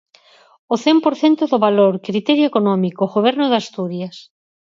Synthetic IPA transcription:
oθɛmpoɾθent̪ʊðoβaloɾkɾit̪ɛɾjoekonɔmikoɣoβɛɾnʊðast̪uɾjas

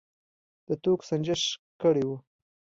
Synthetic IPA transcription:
d̪̥ət̪oksand͡ʒəʃkəɽewu

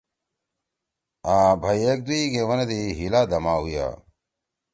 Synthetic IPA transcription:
aːbʱɐjek̚d̪uiɡeʋɐned̪iɦilaːd̪ɐmaːɦuja̰ː

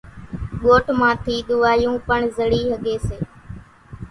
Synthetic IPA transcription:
ɠoːʈmãːt̪ʰiːɗ̪ʊʋaːjũːpəɳzəɽiːɦəɡʱeːseː

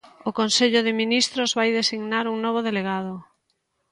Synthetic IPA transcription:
ʊkonseʎʊðɪminist̪ɾozβajðesiɣnaɾuŋnɔβ̞oðeleɣað̞ʊ

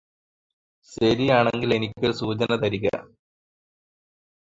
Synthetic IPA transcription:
ɕɐɾijaːɳeŋɡile̞nikʲːoɾsuːt͡ɕɐnɐt̪ɐɾiɣɐ̰

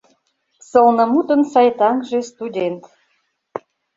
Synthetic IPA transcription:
sɤ̆lˠnɤ̆mut̪ə̆nsɑjt̪ɑŋʒĕst̪udʲent̪

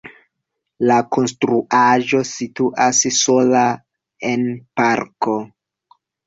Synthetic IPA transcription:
lako̞nstɾuʔaʒo̞situʔasso̞la | e̞npaɾko̞

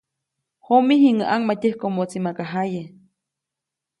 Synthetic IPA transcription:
homihiŋəʔaŋmatʲəhkomot͡simakaɦaje

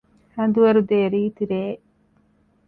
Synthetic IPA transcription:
hɐnd̪uʋɐɾud̪eːɾiːt̪iɾeː

